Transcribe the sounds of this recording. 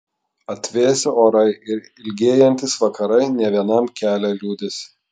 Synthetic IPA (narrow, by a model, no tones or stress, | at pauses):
ɐt̪ʲʋʲeːɛsʲɪoːɾɐɪʔɪɾ | ɪlʲɡʲeːjɛnʲt̪ʲɪsʋɐkɐɾɐɪnʲɛʋʲiɛnɐmkʲæːlʲɛlʲuːd̪ʲɪsʲ